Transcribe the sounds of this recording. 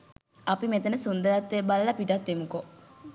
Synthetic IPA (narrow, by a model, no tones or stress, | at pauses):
apimet̪ənəsund̪əɾat̪ʋebaləlɐpiʈat̪ʋemuko